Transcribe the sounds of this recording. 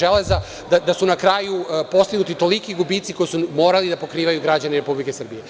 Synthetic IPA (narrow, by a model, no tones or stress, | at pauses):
eleza | d̪ad̪asunakɾaːjupo̞st̪iɡnut̪it̪o̞likiɡubit̪siko̞jsumo̞ːɾalid̪apo̞kɾiːʋajuɡɾad͡ʑaneɾe̞publikesr̩bije